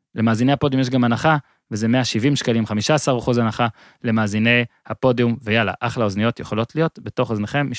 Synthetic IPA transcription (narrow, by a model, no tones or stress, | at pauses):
le̞maːzine̞jhapo̞d̪jumjeʃɡamanaχa | vezeme̞aʃivimʃkalimχamiʃaasaʁχuzanaχa | le̞maːzine̞jhapo̞djumvejala̰ʔaχlao̞znijotjeχo̞lo̞tlijo̞tbe̞to̞χozneχe̞mːi